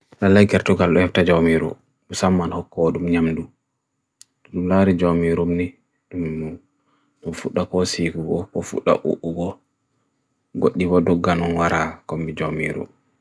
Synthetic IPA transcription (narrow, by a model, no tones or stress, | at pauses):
lalːajkɛɾtɔɡalɗɔhɛftad͡ʒamiɾṵ | ɗusamːanhɔkːɔɗumɲamdu | ɗumlaɾid͡ʒomiɾumni | ɗum | ɗufuɗːakɔsikuɡɔkɔfuɗːa̰ʔṵʔːuɡɔ | ɡoɗːibɔdɔɡːanɔnwaɾʔakombid͡ʒomiɾṵm